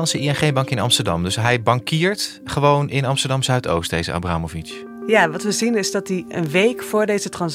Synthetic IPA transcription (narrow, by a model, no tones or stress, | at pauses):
nsəiɛnχejnbɑŋkɪnɑ̰mstəɹdɑ̰mdɵsɦɛjbɑŋkɪːɹt | χəʋownɪnɑmstəɹdɑmsœɥto̰wstdejzə̰ʔa̰braːmɔvit͡ʃ | jaːʋɑtʋəzinɪzdɑt̚diə̰nʋejkfʊːɹdejzətrɑns